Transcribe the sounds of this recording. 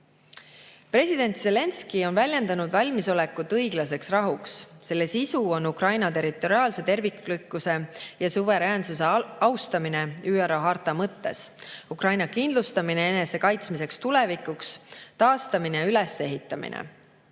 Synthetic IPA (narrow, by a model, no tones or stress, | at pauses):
pre̞sʲid̪̥e̞nt̪se̞le̞nskio̞nvælʲje̞nd̪̥ɑnud̪̥vɑlʲmiso̞le̞kːut̪ːɤjɡ̥lɑse̞ksrɑɦuksse̞lːe̞sisuo̞nːukrɑjnɑt̪e̞ɾit̪ːˑo̞ɾiɑːlse̞t̪e̞rviklykːˑuse̞jɑsuve̞ɾæːnsuse̞ɑwst̪ɑmine̞yːeɾoɦɑrt̪ˑːɑmɤt̪ːe̞sukrɑjnɑkind̪lust̪ɑmineene̞se̞kɑjt̪smise̞kst̪ule̞vikːˑukst̪ɑːst̪ɑmineylese̞ɦit̪ːˑɑmḭnḛ